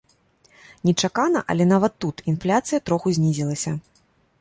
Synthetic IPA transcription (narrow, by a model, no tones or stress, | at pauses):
nʲɛt͡ʂakanɐʔɐ̰lʲɛn̪avɐt̪ːut̪inflʲat̪sɨjɐt̪ɾɔxuzʲnʲizʲilˠɐsʲɐ